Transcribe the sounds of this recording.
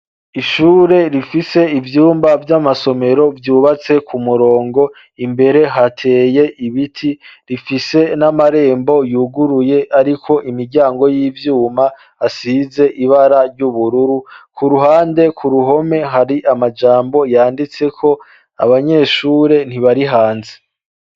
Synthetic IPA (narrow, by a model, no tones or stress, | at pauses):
iʃuːɾe̞ɾifise̞ivjuːmbavjamaso̞me̞ɾo̞vjuːβat͡se̞kʰumuɾo̞ːŋɡo̞ | imbe̞ɾe̞ɦatʰe̞ːje̞ʔiβitʰiɾifise̞namaɾe̞ːmbo̞juːɡuɾuje̞ʔaɾikʰo̞ʔimiɾɟaːŋɡo̞jiːvjuːmaː | siːze̞ʔiβaɾaɾjɟuβuɾuɾukuɾuɦaːnde̞kʰuɾuɦo̞me̞ɦaɾiʔamad͡ʒaːmbo̞jaːndit͡se̞kʰo | a̰βaɲe̞ːʃuːɾe̞n̥hiβaɾiɦaːnze